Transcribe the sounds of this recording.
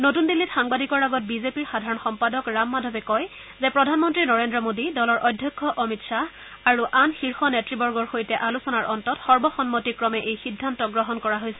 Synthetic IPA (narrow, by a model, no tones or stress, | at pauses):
notundilːitxaŋbadʱikɔɹaɡɔt̚bizepiɹxadʱaɹɔnxɔmpadɔkɹamːadʱɔbɛkɔj | zɛpɹɔdʱanmɔntɹinɔɹendɹɔmodidɔlɔɹʔɔdʱːjɔkʰːɔʔɔmitsa | aɹuʔanxiɹxɔnetɹibɔɹɡɔɹxojtɛʔalusɔnaɹɔntɔtxɔɹbɔxɔnmotikɹɔmɛʔejxidʱːantɔɡɹɔɦɔnkɔɹaɦojsɛ